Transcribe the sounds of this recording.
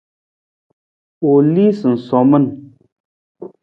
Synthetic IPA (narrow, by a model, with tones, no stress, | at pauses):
o˨li˦sɨ˨n̩˨sɔ˨mə˦˨n